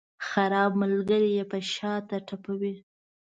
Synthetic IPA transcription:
xaɾɑb̚məlɡəɾijepəʃɑt̪aʈapawi

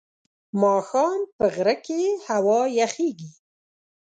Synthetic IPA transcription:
mɑxɑnpəɣɾəkehawɑjaxeɡi

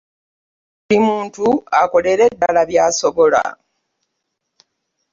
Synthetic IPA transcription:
imuːntua̰kole̞ɾe̞dːalaβjaːso̞βo̞la̰

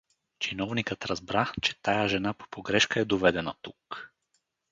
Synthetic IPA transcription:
t͡ʃinɔvnikət̪ɾɐzbɾat͡ʃɛ̥t̪ajaʒɛnapo̥poɡɾɛʃkəɛd̪ovɛd̪ɛnat̪uk

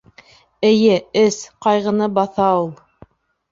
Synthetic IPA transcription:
ɘ̆jɘɘsqɑjʁɤ̆nɤbɑθɑulˠ

